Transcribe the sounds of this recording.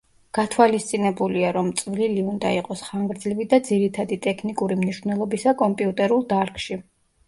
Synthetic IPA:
ɡ̥at̪ʰwalist̪sʼinɛbuliaɾɔmt̪sʼvliliund̪a̰iqʼɔsχaŋɡɾd̪zlivid̪ad̪ziɾit̪ʰad̪it̪ʼɛkʰnikʼuɾimniʃvnɛlˠɔbisakʼɔmpʼiut̪ʼɛɾulˠd̪aɾkʼʃi

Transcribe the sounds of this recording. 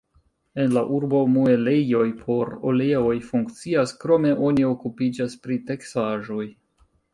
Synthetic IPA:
e̞nlaʔuɾbo̞mue̞lejo̞jpʰo̞ɾo̰leo̞jfuŋkt͡siaskɾo̞me̞ʔo̞nio̞kupid͡ʒaspɾite̞ksaʒo̞j

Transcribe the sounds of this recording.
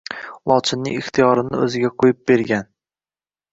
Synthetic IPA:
lˠɒt͡ʃ̪ʰɪnːɪŋɪχt̪ʰijɒɾɪnɪɵzɪɡʲaqʰojɪp̚b̥e̞ɾɡʲan

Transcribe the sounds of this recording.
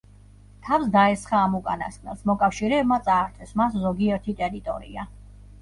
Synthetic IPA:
t̪ʰafsd̪aɛsχaːmukʼa̰na̰skʼnɛ̰smɔkʼafʃiɾɛːbmat̪sʼaːɾt̪ʰɛsmaszɔɡiɛɾt̪ʰit̪ʼɛɾit̪ʼɔ̰ɾḭa

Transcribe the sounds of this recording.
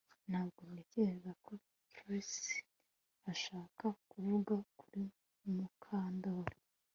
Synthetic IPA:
nhaːbɡomɲeceɾezako̞ | tɾisi̥ | aʃaːkakuvuɡakuɾi | mukʰaːndoɾo

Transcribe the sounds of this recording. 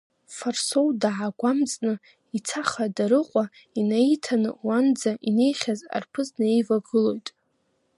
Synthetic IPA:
farso̞wdaʕaɡʷamt͡sʼnɨ | it͡sʰaχadaɾɨqʷʼa | inaitʰanɨ̰wand͡zaʔine̞jχʲaza̰rpʰɨznae̞jvaɡɨlo̞jtʼ

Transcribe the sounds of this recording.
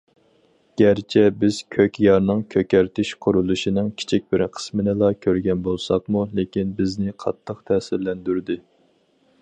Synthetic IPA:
ɡ̥ʲæɾt͡ʃʰɛbɪz̥kʲʰøkʲjɑɾnɨŋkʲʰøkʲæɾt̪ɪʃqʰʊɾulˠuʃinɨŋkʲʰi̥t͡ʃʰik̚ʲb̥ɪɾqʰə̥smɪnɨlˠɑkʲʰøɾɡʲɛnbolˠsɑqmulekʲinbɪznɪqʰɑt̪ʰːəqt̪ʰɛːsɪɾlɛnd̪yɾd̪ɪ

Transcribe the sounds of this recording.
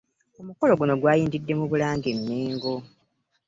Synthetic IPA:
o̞muko̞lo̞ɡuno̞ɡwaːjiːndidːe̞muβulaːŋɡenːeːŋɡo

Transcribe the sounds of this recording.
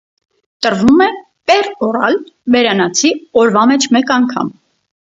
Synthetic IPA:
t̪əɾvumɛ | pɛrɔɾɑ̰lbɛɾɑnɑt͡sʰiɔɾvɑmɛt͡ʃʰmɛkɑŋkʰɑ̰m

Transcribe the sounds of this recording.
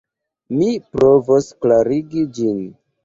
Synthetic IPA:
mipɾo̞vosklaɾiɡid͡ʒin

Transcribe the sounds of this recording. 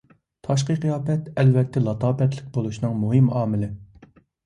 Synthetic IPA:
t̪ʰɑʃ̬qəqijɑːpɛt̪ɛlvɛt̪ʰːɛlˠɑt̪ʰɑːpɛt̪lɪk̚ʲbolˠuʃnɨŋmuɦɪmɑːmɪlɪ

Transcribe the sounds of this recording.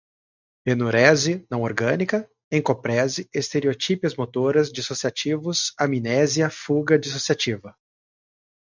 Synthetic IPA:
penuɾɛzɪnɐ̃w̃oɾɡɐ̃nikɐ | ẽkopɾɛzɪest̪eɾiot͡ʃipiɐzmot̪oɾɐzd͡ʒisosiat͡ʃivʊsaminɛziɐfuɡɐd͡ʒisosiat͡ʃivɐ

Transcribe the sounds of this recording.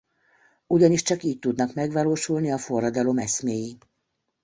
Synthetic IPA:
uɟɒniʃt͡ʃɒkiːc̚t̪ud̪nɒkmɛɡʋɒloːʃulniɒfo̞rːɒd̪ɒlo̞mɛsmeːji

